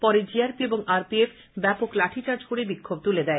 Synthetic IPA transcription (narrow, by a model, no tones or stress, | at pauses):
pɔɾed͡ʑiaɾpieboŋaɾpiefʰ | bɛpoklaʈʰit͡ɕaɾd͡ʑʱoɽebikʰːob̚t̪uled̪ɛe